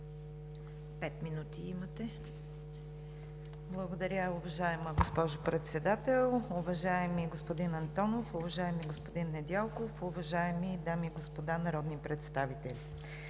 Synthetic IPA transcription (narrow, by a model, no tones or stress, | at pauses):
pɛt̪minut̪iimɐt̪ɛ | blˠɐɡod̪ɐɾʲəʊvɐʒaɛməɡospɔʒʊpɾɛt̪sɛd̪at̪ɛlˠʊvɐʒaɛmiɡospod̪inɐnt̪ɔnofʊvɐʒaɛmiɡospod̪inːɛd̪ʲɛlˠkofʊvɐʒaɛmid̪amiːɡospod̪anɐɾɔd̪nipɾɛt̪st̪avit̪ɛlʲi